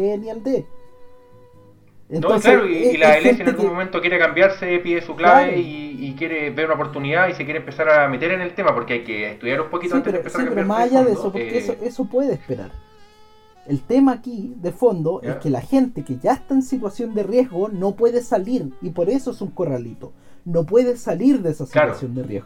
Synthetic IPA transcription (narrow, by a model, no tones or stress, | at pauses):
enield̪e | ent̪onsleaɾoilaelensjenelɣumoment̪okjeɾekambjaɾsepiðesuklaβeiikjeɾeβeunaop̬oɾt̪uniðaisek̬ʲjeɾempesaɾamet̪eɾenelt̪emapo̞ɾkeajkeeht̪uðjaɾumpokit̪oit̪eɾopesapeɾomasaʝaððeesopoɾkeesoʔesopwe̞ðeːspeɾa̰ɾ | elt̪emaːkiðefo̞nd̪o̞ʔeskelaxe̞nt̪ekeʝaeht̪aensit̪wasjo̞nd̪erje̞ɦɣonopwe̞ðesaliɾipo̞ɾe̞soesuŋko̞ralit̪o | nopwe̞ð̞esaliɾðeesasilaɾwa̰sjo̞nd̪erjḛɣ